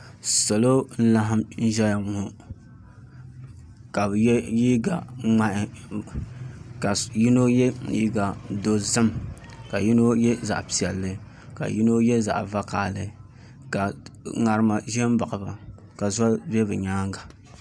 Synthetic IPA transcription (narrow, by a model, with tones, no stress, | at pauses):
sa˨lo˦n̩˦la˦ɦɨ˦mn̩˦ʒɛ˦ja˨ŋʊ˨hʊ˨ | ka˨bji˦ɡa˨ŋ͡ma˦ʔɪ˨ | ka˨ji˦no˦jɛ˦ji˦ɡa˨do˦zɨ˦m | ka˨ji˦no˦jɛ˦za̰˨ʔpi˨ɛ˨lːɨ˨ | ka̰˨ji˦no˦jɛ˦za̰˨ʔva˦kaː˨lɨ˨ | ka˨ŋa˨ɾɨ˨˦ma˨ʒɛ˦m˦ba˨ʔɨ˨ba˨ | ka˨za˦bɛ˦bɨ˨ɲaː˦ŋɡa˨